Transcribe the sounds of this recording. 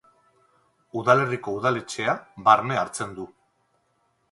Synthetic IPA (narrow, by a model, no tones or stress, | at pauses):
uðale̞riko̞uð̞ale̞t͡ʃe̞aβaɾne̞aɾt͡se̞nd̪u